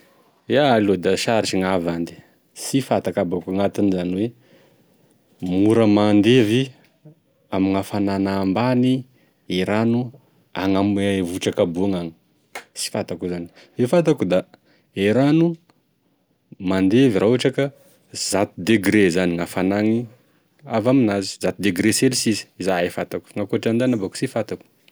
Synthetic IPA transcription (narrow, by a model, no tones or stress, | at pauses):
ealod̪aʃaɾiʈ͡ʂiŋavand̪i̥ | sifat̪akabakaŋat̪inizaniwe | muɾəmand̪evi | amiŋafananambani | eɾanu | a̰ŋamvuʈ͡ʂakabuaŋaŋi̥ | si̥fat̪akuzani̥ | vefat̪̬akud̪a | eɾanu | mand̪eviɾaaʈ͡ʂaka | z̥at̪ud̪eɡɾezaniŋafanaŋi | avaminazi̥zat̪id̪eɡɾeselisizi̥izaefat̪aku̥ŋakuaʈ͡ʂand̪anabaku̥sifat̪aku̥